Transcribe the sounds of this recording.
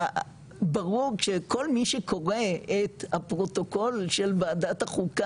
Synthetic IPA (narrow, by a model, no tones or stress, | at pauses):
baʁuʁʃeko̞lmiʃeko̞ʁeet̪hapʁo̞to̞ko̞lʃelvaːdat̪haχuka